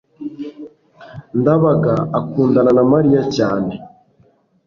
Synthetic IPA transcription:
ndaβaɡaːkuːndananamaɾijacaːne

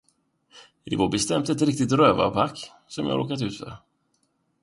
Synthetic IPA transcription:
ɪvobɛst̪ɛmt̪ɛt̪ɾɪk̚t̪ɪt̪ɾøːva̰pʰakː | sɔmjɑ̰ːha̰ʔoːkat̪ʉ̟ːt̪fœ̰ɾ

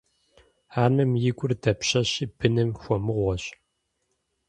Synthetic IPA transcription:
aːnɐmjɪɡʷʼʊrdɐpɕɐɕib̥ɨnɨmxʷɔmɨʁʷɔɕ

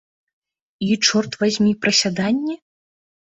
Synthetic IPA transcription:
it͡ʂɔrt̪vazʲmʲipɾɐsʲad̪anʲːɛ

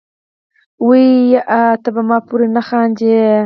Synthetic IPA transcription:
wijjaʔat̪abamɑpuɾenaxɑːnd͡ʒe

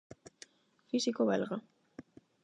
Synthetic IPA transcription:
fisikoβelɣa

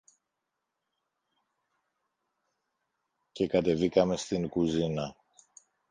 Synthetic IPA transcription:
ce̞kɐt̪e̞vikɐme̞st̪iŋkuzinɐ

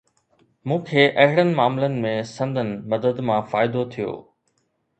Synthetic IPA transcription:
mũːkʰeːʔɐɦɪɽənɪ̆maːmlənɪ̆mẽsɐ̃nd̪ənɪ̆mɐd̪əd̪mãfaːɪd̪ot̪ʰijo̰ː

